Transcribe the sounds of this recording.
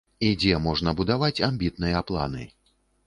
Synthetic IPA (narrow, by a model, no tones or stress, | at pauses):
id͡zʲɛmɔʐnɐbud̪avat͡sʲamʲbʲit̪nɨjɐaplˠa̰nɨ̰